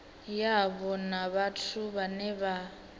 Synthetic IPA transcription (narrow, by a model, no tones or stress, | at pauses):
jaβɔnaβatʰuβanɛβa